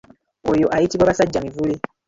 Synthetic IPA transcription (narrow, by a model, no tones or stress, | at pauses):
ojoʔaitiwaβasad͡ʒːamivuli